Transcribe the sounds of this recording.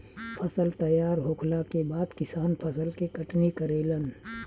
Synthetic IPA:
pʰɐsəlt̪ɐjaːɾɦoːkʰlakebaːd̪kɪsaːnpʰɐsəlkekɐʈnikəɾeːlən

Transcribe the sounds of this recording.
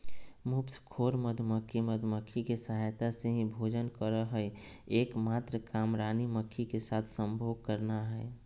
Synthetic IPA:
mʊpskʰoːɾməd̪ʱməkʰːiməd̪ʱməkʰːikesəɦajt̪aseɦĩbʱoːd͡ʒənkəɾəɦəe | eːkmaːt̪ɾəkaːmɾaːniməkʰːikesaːt̪ʰsə̃mbʱoːɡ̚kəɾnaɦɛ

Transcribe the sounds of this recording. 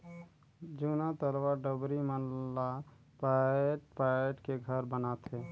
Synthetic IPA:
d͡ʒunat̪əɾwaɖəbɾimənla | paʈpaeʈkeɡʱəɾbənat̪ɦe

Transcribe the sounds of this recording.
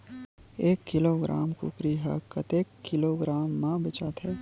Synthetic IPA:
eːkːɪloːɡɾʔa̰ːmkṵkɾiɦa̰kːət̪eːkːɪloːɡɾaːmːãbɪt͡ʃaːt̪ɦɛː

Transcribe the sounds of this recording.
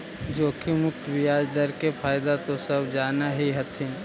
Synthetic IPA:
d͡ʒoːkʰimʊk̚t̪bɪjaːd͡ʒd̪əɾkepʰaːjd̪at̪osɐbd͡ʒaːnaɦiɦɐt̪ʰĩ

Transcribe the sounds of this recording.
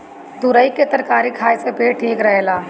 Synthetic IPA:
t̪ʊɾəiket̪əɾkaːɾikʰaːjsepeːʈʰiːkɾəɦelaː

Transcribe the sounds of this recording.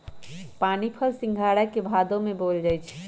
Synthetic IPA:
paːnipʰəlsɪ̃ŋɡʱaːɽəkebʱaːd̪õmẽboːld͡ʒajt͡ʃʰɛ̥

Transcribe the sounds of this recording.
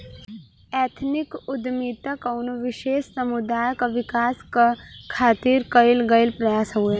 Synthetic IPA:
ɛːt̪ʰnɪkʊd̪miːd̪̚t̪akɐʊnoʋɪʃeːʃsɐmʊd̪aːjkaʋɪkaːskakʰaːt̪iːɾkɐɪlɡɐɪlpɾɐjaːsɦue

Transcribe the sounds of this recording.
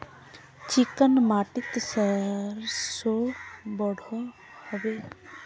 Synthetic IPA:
t͡ʃɪkənmaːʈɪt̪səɾsobɔɽ̤ʱõ | həʋe

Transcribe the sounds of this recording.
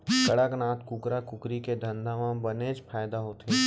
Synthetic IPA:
kəɽəknaːt̪kʊkɾakʊkɾiked̪ʱə̃nd̪ʱaʋãbəneːd͡ʒpʰaːjd̪aɦot̪e

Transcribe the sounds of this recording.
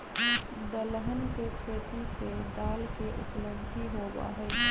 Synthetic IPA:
d̪ələɦənkepʰɾeːt̪iseɖaːlkeʔʊ̰pləbʱiɦoba̰ɦɛ

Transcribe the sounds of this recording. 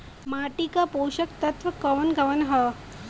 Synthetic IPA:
maʈikapoːɕɐkt̪ɐt̪ʋɐkɐʋɐnɡɐʋənɦɐ

